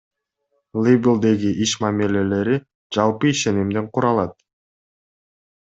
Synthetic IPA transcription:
lˠibʲlˠd̪e̞ɡiʔiʃmamile̞le̞ɾi | d͡ʒɑlˠpɯiʃe̞nimd̪eɴqʰuɾɑlˠɑt̪̚

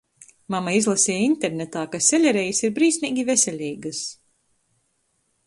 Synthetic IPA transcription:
mamaizlˠasʲiːjint̪eɾnʲet̪aːkasʲɛlʲɛɾɛjisiɾbɾiːsʲnʲiːɡʲivesʲɛlʲiːɡɨs

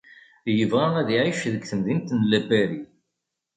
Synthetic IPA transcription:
jəvʁæʁæðiʕiʃðəɡθəmðint̪nlæbæɾi

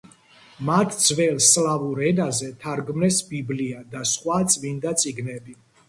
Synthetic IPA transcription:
mat̪ʰd̪zvɛlslavuɾɛnazɛt̪ʰaɾɡmnɛsbibliad̪asχwat̪sʼvind̪at̪sʼiɡnɛbi

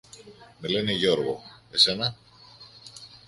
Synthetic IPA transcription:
me̞le̞neʝo̞ɾɣo̞̰ese̞nɐ

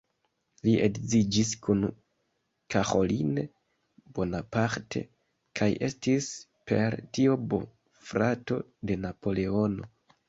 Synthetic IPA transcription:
liʔeɡzid͡ʒiskun | kaxo̞line | b̥o̞napaɾtʰe̞̰ | kʰajʔe̞stis | pe̞ɾtio̞bo̰ | fɾato̞de̞napo̞le̞o̞no̞

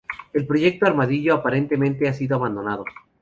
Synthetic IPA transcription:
e̞lpɾo̞ʝe̞k̚t̪oaɾmaðiʝo̞apaɾe̞nt̪e̞mẽnt̪e̞asiðoaβand̪o̞nað̞o̞

